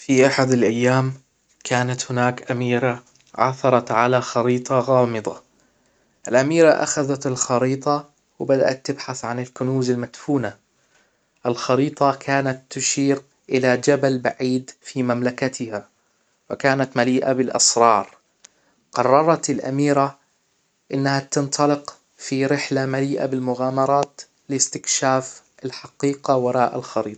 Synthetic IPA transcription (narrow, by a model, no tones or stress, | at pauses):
fiʔaħad̪alʔajːaːm | kʰaːnat̪hʊnaːkʔamiːɾa | ʕa̰θɑɾˤɑt̪ʕalaxɑɾiːt̪ˤɑɣɑːmɨd̪ˤɑ̰ | ʔɪlʔamiːɾaʔa̰xaðat̪ɪlxɑɾiːt̪ˤɑ | wɪbad̪a̰ʔat̪ːɪbħaθʕanɪlkʊnuːzalmat̪fuːna | ʔɪlxɑɾiːt̪ˤɑkʰaːnat̪ːʊʃiːɾ | ʔɪlad͡ʒabalbaʕiːd̪fimamlakat̪ɪha | wɪkaːnat̪maliːʔabɪlʔɑ̰sɾˤɑːɾˤ | qɑrˤːɑɾˤɑt̪ɪlʔa̰miːɾa | ʔɪnːahat̪ɪnt̪ˤɑlɪq | fiɾɪħlamaliːʔa̰bɪlmʊɣaːmɑɾˤɑːt̪ | lɪst̪ɪkʃaːf | ʔɪlħaqiːqawɑɾˤɑːʔɪlxɑɾiːt̪ˤ